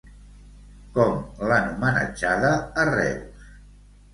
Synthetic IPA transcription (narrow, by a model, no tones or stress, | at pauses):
kɔmlanumənə̰d͡ʒaðəːrɛ̰ws